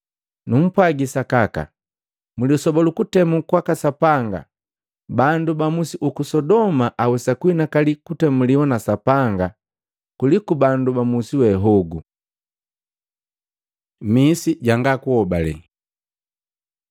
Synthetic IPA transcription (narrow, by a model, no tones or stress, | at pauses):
num̩pwaɡisakaka̰ | muliɔsɔbalukutɛmukwakasapaŋɡa̰ | bandubamusiʔukusɔdɔmaʔawɛsakuinakalikutɛmuliwanasapaŋɡa | kulikubandubamusiwɛɦɔɡu | misiɟaŋɡakuhɔbalɛ̰